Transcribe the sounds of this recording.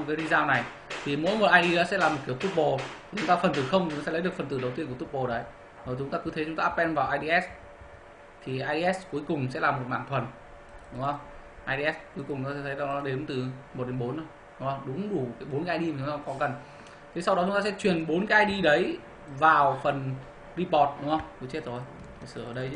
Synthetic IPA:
kaː˨˦li˧zaː˧wna˨˩j | t̪ʰi˨˩mo̰˧˥˦jmo˨˩t̚ʔaː˧ɗi˧ɗɔ˨˦sɛ̰˧˥laː˨˩mo˨˩t̚ki˧˩əwt̪u˦˥p̚ɓo˨˩i˨˩t͡ɕʊ˨˦ŋ͡mt̪aː˧fə˨˩nt̪ɨ˨˩xə˧wŋ͡m̪sɛ̰˧˥lə˨˦ɗɨ˨˩əkfə˨˩nt̪ɨ̰˧˩ɗə˩wt̪i˧əkːt̪u˦˥p̚ɓo˨˩ɗə˨˦j | zo˨˩t͡ɕʊ˨˦ŋ͡mt̪aː˧kɨ˨˦t̪ʰe˨˦t͡ɕʊ˨˦ŋ͡mt̪aː˧˦˧pɓɛ˧nvaː˨˩wʔaː˧jɗi˧ʔɛ˦˥s | t̪ʰi˨˩ʔaː˧jɗi˧ʔɛ˦˥sku˨˦əjkʊ˨˩ŋ͡msɛ̰˧˥laː˨˩mo˨˩t̚ma̰ː˧˨ŋt̪ʰwə˨˩n | ɗʊ˨˦ŋ͡mhə˧wŋ͡m | ʔaː˧jɗi˧ʔɛ˦˥sku˨˦kʊ˨˩ŋ͡mt͡ɕʊ˦t̪aː˧sɛ˧t̪ʰjla˨˦nɔ˨˦ɗe˨˦mt̪ɨ˨˩mo˨˩t̚ɗe˨˦mɓo˨˦nzo˧˦ | ɗʊ˨˦ŋ͡mhə˧wŋ͡mɗʊ˨˦ŋ͡mɗu˧˩kaː˨˦jɓo˨˦nkːaː˧jɗi˧ma˨˩t͡ɕʊ˨˦ŋ͡mt̪aː˧kɔ˨˦kə˨˩n | t̪ʰe˨˦sa˧wɗɔ˨˦t͡ɕʊ˨˦ŋ͡mt̪aː˧sɛ̰˧˥t͡ɕwi˨˩ənɓo˨˦nkʔaː˧jɗi˧ɗə˨˦j | vaː˨˩wfə˨˩n | zi˧pɔ˨˩t̚ɗʊ˨˦ŋ͡mhə˧wŋ͡mku˧˦t͡ɕe˦˥t̚zo˨˩j | t̪ʰi˨˩sɨ̰˧˩˨ʔəː˧˩ɗə˧j

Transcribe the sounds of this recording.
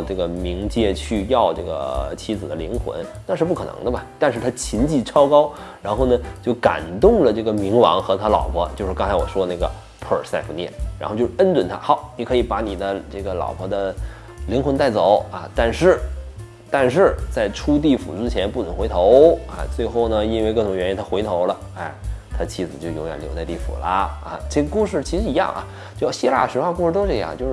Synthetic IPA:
ʈ͡ʂɤ˥˩ɡə˩mi˧˥ŋt͡ɕjɛ˥˧t͡ɕʰy˥˧jɑ˥˧ʊʈ͡ʂɤ˥˩ɡə̰˩t͡ɕʰi˧˥d͡zɹ̩˨˩d̪ə˦lḭ˧˥ŋxwə̰˧˥nna˥˧ʂɻ̩˥˧p̬u˥˩kʰɤ˨˩nɤ̰˧˥ŋd̪ə˧bɐ˨˩t̪a˥˧nʂɻ̩˥˩t̪ʰa˥t͡ɕʰi˧˥nt͡ɕi˥˩ʈ͡ʂʰɑ˥ʊkɑ˥ʊ | ɻa˧˥nxo˥˩ʊnə˩t͡ɕjo˥˩ʊka̰˨˩nt̪ʊ˥˩ŋlə˩ʈ͡ʂɤ˥˩ɡə˩mi˧˥ŋwɑ̰˧˥ŋxɤ˧˥t̪ʰa˥lɑ̰˨˩ʊpʰɔ˧˥t͡ɕjo˥˧ʊʂɻ̩˥˧ɑ˥ŋt͡sʰa˧ɪwɔ˨˩ʂwɔ˥na˥˩ɡə̰˩ | pʰə˞˨˩sa˥˩ɪpu˧˥njɛ̰˥˩nɻa˧˥xo˥˧t͡ɕo˥˧˩ʂə˥nt͡swə˨˩nt̪ʰa̰˥xɑ˧˥ʊni˨˩kʰɤ˧˥i˧˩pa˧˥ni˨˩d̪ə˦ʈ͡ʂɤ˥˩ɡə˩lɑ̰˨˩ʊpʰɔ˧˥d̪ə˧ | li˧˥ŋxwə˧˥nt̪a˥˩ɪt͡so˨˩˦ʊa̰˥˧t̪a˥˧nʂɻ̩˥˩ | t̪a˥˧nʂ̬ɻ̩˥˩t͡sa˥˩ɪʈ͡ʂʰu˥t̪̬i˥˩fṵ˨˩ʈ͡ʂɻ̩˥t͡ɕʰjɛ˧˥npu˥˩nʰə˧˥ŋxe˧˥ɪt̪ʰo˧˥ʊa̰˧t͡swe˥˧ɪxo˥˩ʊnə˩i˥nwɪkɤ˥˩ʈ͡ʂʊ˧˥ŋɥɛ˧˥ji˥nt̪ʰa˥xwe˧˥ɪt̪ʰo˧˥ʊlə˧ | a˥˩ɪt̪ʰa˥t͡ɕʰi˥˩d͡zɹ̩˨˩t͡ɕjo˥˩ʊjo˧˥jə̰˨˩ljo˧˥t͡sa˥˧ɪt̪i˥˩fṵ˨˩lə̰˦a̰˥˩ʈ͡ʂe˥˩ɡə˩ku˥˧ʂ̬ɻ̩˥˩t͡ɕʰi˧˥ʂɻ̩˧˥i˧˥jɑ̰˥˩ŋʔa̰˨˩ | t͡ɕjo˥˧ʊjɕi˥la̰˥˩ɕɥɛ˧˥xwa˥˧ku˥˧ʂɻ̩˥˧t̪o˥ʊʂɻ̩˥˩i˧jɑ̰˥˧ŋ˧t͡ɕjo˥˧ʊʂ

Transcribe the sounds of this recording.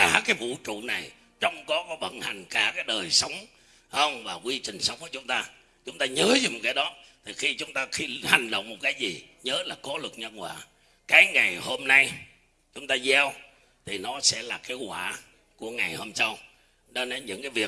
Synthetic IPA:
aː˧˩kaː˨˦jvṵ˧˨t͡ɕṵ˧˨na˨˩j | t͡ɕɔ˧wŋ͡mkɔ˨˦kɔ˨˦ɓə̰˧˨nha˨˩jŋ̟kaː˧˩kaː˨˦jɗəː˨˩jsə˨˦wŋ͡m | həː˧nvaː˨˩kwi˧t͡ɕï˨˩ŋ̟sə˨˦ŋ͡mku˧˩t͡ɕʊ˨˦ŋ͡mt̪aː˧ | t͡ɕʊ˨˦ŋ͡mt̪aː˧ɲəː˨˦zɨ˧˦mo˨˩t̚kaː˨˦ɗɔ˨˦t̪ʰi˨˩xi˧t͡ɕʊ˨˦ŋ͡mt̪aː˧xi˧ha˨˩jŋ̟ɗə̰˧˨wŋ͡mmo˨˩t̚kaː˨˦jzi˨˩ɲəː˨˦laː˨˩kɔ˨˦lɨ˨˩k̚ɲə˧nkwa̰ː˧˨ | kaː˨˦jŋa˨˩jho˧mna˧j | t͡ɕʊ˨˦ŋ͡mt̪aː˧zɛ˧w | t̪ʰi˨˩nɔ˨˦sɛ̰˧˥laː˨˩ke˨˦kwa̰ː˧˨˩ | ku˧˩əŋa˨˩jho˧msa˧w | ɗə˧na˨˧˦ɲɨ̰˧˥ŋkaː˨˦jvi˨˩ək̚

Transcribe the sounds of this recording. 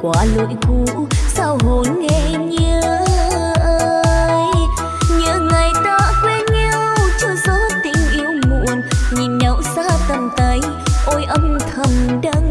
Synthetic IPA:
kwaː˨˦lo̰˧˨jku˧˦ | saː˧wɦo˨˩nŋɛ˧˩ɲə˧˦ | ʔəː˧j | ɲɨ˧˨˦ŋa˨˩jt̪a˧˦kwe˧˦ɲa˧wt͡ɕɔ˧sa˧˦˥t̪ï˨˧˩ŋ̟ʔi˧əwmṵ˧˨ənɲi˨˩mɲə˨˦wsaː˧˥t̪ə˨˩mt̪ə˨˦j | ʔo˧˩jʔə˧mt̪ʰə˧˩mɗə˧ŋ

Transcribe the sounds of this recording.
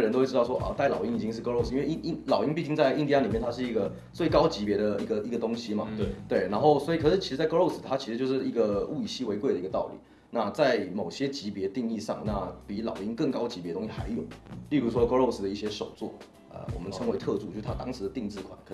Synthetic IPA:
ə˧nt̪o˥we˥˧˥wɔ˥ʔɔ̰˥˧t̪a˥˩ɪlɑ̰˨˩ʊi˥ŋi˨˩t͡ɕi˦ŋʂɻ̩˥˩ko˥lo˥˩ʊs̩˨˥nwe˥˧ɪi˥i˥˧lɑ˨˩ʊi˧˥ŋnpi˥˧t͡ɕi˥˧ŋt͡sa˥˧ɪi˥˧nt̪i˧a˧˥li˨mjɛ˥˩nt̪ʰa˥ʂ̬ɻ̩˥˩i˧˥ɡə˨ | t͡swe˥˩ɪkɑ˥ʊt͡ɕi˧˥pjɛ˧˥d̪ə˨i˧˥ɡə˨i˧˥ɡə˨t̪ʊ˥ŋɕi˥ma̰˨˩t̪we˥˩ɪna˧˥nxo˥˩ʊswɔ˧˥i˨kʰʂɻ̩˥˩t͡ɕʰi˧˥ʂ̩˧t͡sa˥˩ɪko˥o˥˩ʊs̩˨˩t̪ʰa˥t͡ɕʰi˧˥ʂɻ̩˧jo˥˧ʊʂɻ̩˥˩i˧˥ɡə˨˧u˥˩i˨˩ɕi˥we˧˥ɪkwe˥˩d̪ə˩i˧ɡə˧t̪ɑ̰˥˩ʊlḭ˨˩˦ | na˥˧t͡sa˥˩ɪmo˨˩ʊɕjɛ˦˥t͡ɕi˧˥pjɛ˧˥t̪i˥˧ŋi˥˧ʂɑ̰˥˩ŋna˥˩pi˨˥lɑ˨˩ʊi˧˥nkə˥˩ŋkɑ˥ʊt͡ɕi˧˥piɛ˧˥dət̪o˥ŋɕi˧xa̰˧˦ɪjo˨˩ʊli˥˧ɾu˧˥˩ʂwɔ˥ko˥lo˥˧ʊs̩˨d̪ə˩i˥˩ɕjɛ˥ʂo˨˩ʊt͡swɔ̰˥˩ | ə̰˧˩wɔ̰˨˩mə˦nʰə˧˥ŋwe˧˥ɪt̪ʰɤ˥˧ʈ͡ʂu˥˩t͡ɕo˥˧˩ʂt̪ʰa˥t̪ɑ˥ŋʂɻ̩˨˥d̪ə˨˧t̪i˥˧ŋt͡sɹ̩˥˩kʰwa̰˨˩˦nkʰ

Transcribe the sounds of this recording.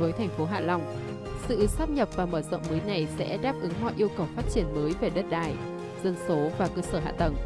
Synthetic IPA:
vəː˨˦jt̪ʰɛ˨˩jŋ̟fo˨˦ɦa̰ː˧˨la˨˧˩wŋ͡m | sɨ̰˧˨saː˦˥p̚ɲə˨˩p̚vaː˨˩məː˧˩zɔ̰˧˨wŋ͡mməː˨˦jna˨˩jsɛ̰˧˥ɗaː˦˥p̚ʔɨ˨˦ŋɦɔ̰˧˨ʔi˧əwkə˨˩wfaː˦˥t̚t͡ɕi˧˩ənməː˨˦jve˨˩ɗə˦˥t̚ɗaː˧˩j | z̥ə˧nso˨˦vaː˨˩kəː˧səː˧˩ɦa̰ː˧˨t̪ə˨˩ŋ

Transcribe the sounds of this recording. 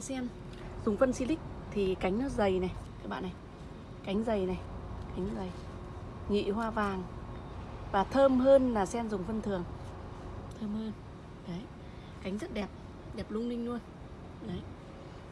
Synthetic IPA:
sɛ˧m | zʊ˨˩ŋ͡mfə˧nsi˧lï˦˥k̚ | t̪ʰi˨˩ka˨˦jŋ̟nɔ˨˦zə˨˩jna˨˩jkaː˨˦jɓa̰ː˧˨nːa˨˩j | ka˨˦jŋ̟zə˨˩jna˨˩jka˨˦jŋ˦zə˨˩j | ŋḭ˧˨hwaː˧vaː˨˩ŋ | vaː˨˩t̪ʰəː˧mhəː˧nlaː˨˩sɛ˧mzʊ˨˩ŋ͡mfə˧nt̪ʰɨ˨˩əŋ | t̪ʰəː˧mhəː˧n | ʔə˨˦j | ka˨˦jŋ̟zə˦˥t̚ɗɛ˨˩p̚ | ɗɛ˨˩p̚lʊ˧ŋ͡mlï˧ŋ̟nu˧ən | ə˨˦j

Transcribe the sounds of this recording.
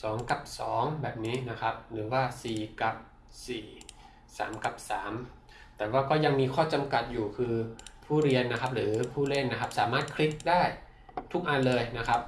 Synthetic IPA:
sɔː˩˦ŋka˨˩p̚sɔː˩˦ŋbɛː˨˩p̚niː˦˥na˦˥kʰa˦˥p̚ɾɯː˩˦waː˥˩siː˨˩ka˨˩p̚ | siː˨˩ | sa̰ː˩˦mka˨˩p̚saː˩˦m | t̪ɛː˨˩waː˥˩kɔː˥˩ja˧ŋmiː˧kʰɔː˥˩t͡ɕa˧mka˨˩t̪̚juː˨˩kʰɯː˧pʰuː˥˩ɾi˧ənːa˦˥kʰa˦˥p̚ɾɯː˩˦pʰuː˥˩le˥˩nːa˦˥kʰa˦˥p̚saː˩˦maː˥˩t̪̚kʰɾi˦˥t̪̚daː˥˩j | t̪ʰu˦˥˩k̚ʔa˧nlɤː˧jna˦˥kʰa˦˥p̚

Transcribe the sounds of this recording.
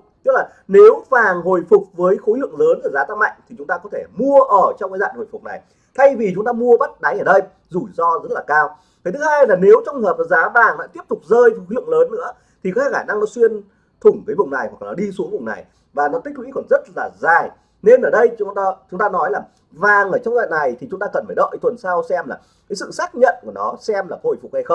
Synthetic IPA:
t̪ɨ˦˥k̚laː˨˩ne˨˦wvaː˨˩ŋɦo˨˩jfʊ˨˩k͡p̚vəː˨˦jxo˨˦lɨ̰˧˨əŋləː˨˦nʔzaː˨˦t̪aː˧ma̰˧˨jŋ̟t̪ʰi˨˩t͡ɕʊ˨˦ŋ͡mt̪aː˧kɔ˨˦t̪ʰe˧˩mu˧əʔəː˧˩t͡ɕŋ͡mkaː˨˦za̰ː˧˨nho˨˩fʊ˨˩k͡p̚na̰˨˩j | t̪ʰa˧jvi˨˩t͡ɕʊ˨˦ŋ͡mt̪aː˧mu˧əɓa˦˥t̚ɗa˨˦jʔaː˧˩ɗə˧j | zu˧˩jzɔ˧zə˦˥t̚laː˨˩kaː˧w | t̪ʰa˨˩t̪ʰɨ˨˦haː˧jlaː˨˩ne˨˦wt͡ɕɔ˧wŋ͡mhəː˨˩p̚ːzaː˨˦vaː˨˩ŋla̰˧˥t̪i˦˥əp̚t̪ʊ˨˩k͡p̚zəː˧jxo˨˦lɨ̰˧˨əŋləː˨˦nːɨ̰˧˥ə | t̪ʰi˨˩kɔ˨˦aː˧˩xaː˧˩na˧ŋnɔ˨˦swi˧ən | t̪ʰʊ˧˩ŋ͡mk̪əː˨˦jvʊ˨˩ŋ͡mna˨˩jhwa˨˩k̚ːnɔ˨˦ɗi˧su˨˦əŋvʊ˨˩ŋ͡mna̰˨˩j | vaː˨˩nɔ˨˦p̪̚ï˦˥k̚kwḭ˧˥kɔ˧˩nzə˦˥t̚laː˨˩zaː˨˩j | ne˧nʔəː˧˩ɗə˧jt͡ɕːt͡ɕʊ˨˦ŋ͡mt̪aː˧nɔ˨˦jlaː˨˩ | vaː˨˩ŋʔəː˧˩t͡ɕɔ˧wŋ͡mza̰ː˧˨nna˨˩jt̪ʰi˨˩t͡ɕʊ˨˦ŋ͡mt̪aː˧kə˨˩nfaː˧˩ɗo̰˧˨jt̪ʰwə˨˩nsaː˧wsɛ˧mlaː˨˩ | kaː˨˦jsɨ̰˧˨saː˦˥k̚ɲə̰˧˨nku˧˩nɔ̰˨˦sɛ˧mlaː˨˩ho̰˧˩jfʊ˨˩k͡p̚ha˧jxə˧wŋ͡m

